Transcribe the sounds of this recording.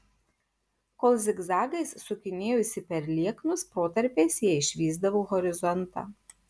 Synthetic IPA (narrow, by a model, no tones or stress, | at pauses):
koːlˠzʲɪɡzɑːɡɐɪssʊkʲɪnʲeːjʊsʲɪpʲɛɾlʲiɛknʊspɾoːt̪ɐɾʲpʲeːsjiɛɪʃʲʋʲiːzd̪ɐʋoːɣɔɾʲɪzɔnt̪ɑ̰ː